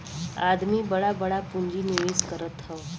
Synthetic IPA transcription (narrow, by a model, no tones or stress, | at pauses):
a̰d̪miːbəɭabəɭapuɲd͡ʑiːniʋeskəɾət̪həʋ